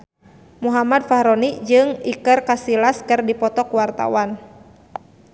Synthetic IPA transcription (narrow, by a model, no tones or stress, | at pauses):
muɦamad̚fahɾɔnid͡ʒɨŋikɨrkasilaskɨrdipɔt̪ɔkuwart̪a̰wan